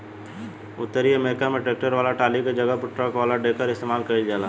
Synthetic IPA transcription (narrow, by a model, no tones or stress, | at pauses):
ʊt̪ːəɾiɐmeːɾɪkamẽʈɾeːk̚ʈəɾʋaːlaʈaːlikad͡ʒɐɡəpəɾʈɾəkʋaːlaɖeːkəɾɪst̪eːmaːlkəld͡ʒaːlaː